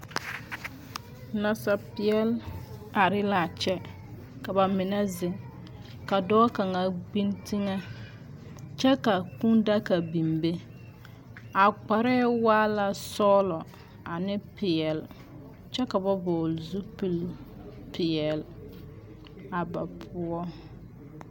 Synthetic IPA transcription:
na˨sa˨pɪ˨ɛ˦la˨ɾɪ˦la˨t͡ʃɛ˦ | ka˨ba˨mɪ˨nɛ˦zɪ˨ŋ | ka˨dɔː˦ka˨ŋa˨ɡ͡bi˦nti˦ŋa˦ | t͡ʃɛ˦ka˨ku˦nda˦ka˨bi˨mbe˦ | a˨k͡pa˨ɾɛ˦waː˦la˨sɔː˦lɔ˨ | a˨nɪ˦pɪ˨jɛ˨l | t͡ʃɛ˦ka˨ba˦bɔː˨lzu˦pi˨l | pɪ˨ɛ˨l | a˨ba˨pʰʊ˦ɔ˦

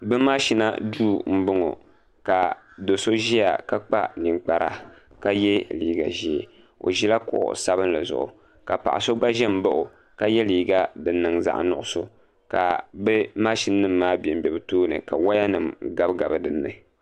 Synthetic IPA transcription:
bɨ˦ma˦ʃi˦na˦duː˦m̩˦bʊ˦ŋo̰˨ | ka˨ | do˨so˦ʒi˦ja̰˨ka˦k͡pa̰˦ni˨ŋk͡pa˨ɾa̰˦ | ka˦jɛ˦liː˦ɡa̰˨ʒi˦e˨ | o̰˨ʒi˦la˦kʊ̰˦ʔʊ̰˨sa˦βɨ˦n˦la˨zʊ̰˨ʔʊ̰˨ | ka˨pa̰˨ʔa̰˨so˦ɡ͡ba˦ʒɛ˦m̩˦bʊ˦ʔʊ˨ | ka˦jɛ˦liː˨ɡa˦dɨ˨nːɨ˨ŋza̰˨ʔnʊ˨ʔʊ˦so˦ | ka̰˨bɛ˦maː˦ʃi˦n˦nɨ˦mːaː˦bɛ˨m̩˦bɛ˨bɨ˦toː˦nɨ̰˨ka˨wa˦ja˦nɨ˨mɡa˦bɡa˨bɨ˦dɨ˨nːɨ̰˨

